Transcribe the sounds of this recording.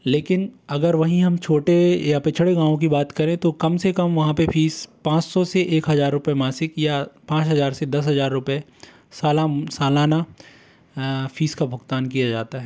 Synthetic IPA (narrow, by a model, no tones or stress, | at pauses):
leːkɪnɐɡəɾʋɐɦĩɦɐmt͡ʃʰoːʈejapet͡ʃʰəɽeɡãːʋõk̬ibaːt̪kɐɾẽt̪okɐmsekɐmʋɐɦãpefiːspãːt͡ʃsɔseʔeːkɦɐzaːɾːʊpemaːsɪkjapãːt͡ʃɦɐzaːɾsed̪ɐs̬ɦɐzaːɾːʊpe | saːlasaːlaːna | fiːskabʱʊɡt̪aːnkijad͡ʒaːt̪aɦɛː